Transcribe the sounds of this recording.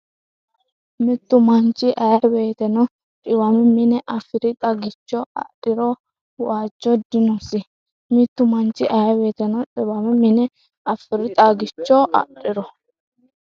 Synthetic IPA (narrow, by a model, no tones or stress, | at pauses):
mɪt̪ːʊmɐnt͡ʃːɪʔɐjɐbe̞ːt̪ɛnɔ | ᶑɪwɐmɪmɪnɛʔɐfɪɾɪt̪ʼɐɡɪt͡ʃːɔɐ̰ɗɪɾɔ | waːd͡ʒːɔd̪ɪnʊsɪ | mɪt̪ːʊmɐnt͡ʃːɪʔɐjɐbe̞ːt̪ɛnɔᶑʼɪwɐmɪmɪnɛ | ɐfɪɾɪt̪ʼɐɡɪt͡ʃːɔʔɐ̰ɗɪɾɔ